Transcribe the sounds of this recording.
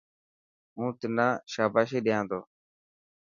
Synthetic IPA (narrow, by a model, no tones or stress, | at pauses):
ɦũːt̪ɪnãːʃaːbaːʃ̬eːɗɪjãːnd̪o̰ː